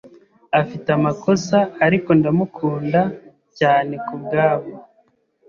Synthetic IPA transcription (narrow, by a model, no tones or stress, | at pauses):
afitamako̞saːɾiko̞ndamukʰuːnda | caːne̞kubɡaːβo